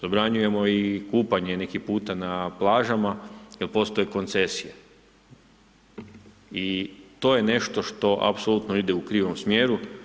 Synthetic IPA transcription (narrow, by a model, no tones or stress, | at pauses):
zabɾaɲuje̞mo̞ikuːpaɲene̞kipuːt̪anaplˠaːʒamailˠpo̞st̪o̞jeko̞nt̪se̞sije | it̪o̞ːje̞ne̞ʃt̪o̞ʃt̪o̞ʔa̰psolut̪noid̪eukɾiːʋo̞msmjeːɾu